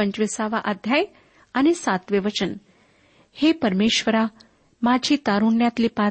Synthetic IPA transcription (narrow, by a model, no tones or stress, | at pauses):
əɲt͡ʃʋisaʋaʔəd̪ʱjaj | anesat̪ʋiʋət͡ʃən | hepəɾmeːʃʋəɾa | mad͡ʒʱiːt̪aɾunjat̪lipa